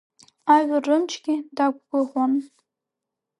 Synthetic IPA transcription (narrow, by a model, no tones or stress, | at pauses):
aɥʊrːɨmt͡ʃʰɡʲidaɡʷɡʷʊχʷan